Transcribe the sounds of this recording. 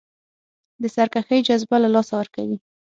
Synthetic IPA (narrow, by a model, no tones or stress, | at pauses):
d̪əsaɾkaxəjd͡ʒazbalalɑsawəɾkawi